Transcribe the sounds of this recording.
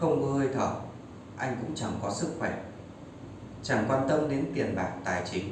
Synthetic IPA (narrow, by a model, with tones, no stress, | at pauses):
xə˧wŋ͡mkɔ˨˦hə˧jt̪ʰə̰ː˧˩ | ʔa˧jŋ̟kʊ̰˧˥ŋ͡mt͡ɕa˧˩ŋkɔ˨˦sɨ˦˥k̚xwɛ˧˩ | t͡ɕa˧˩ŋkwaː˧nt̪ə˧mɗe˨˦nt̪i˨˩ənɓaː˨˩k̚t̪aː˨˩jt͡ɕï˨˦ŋ̟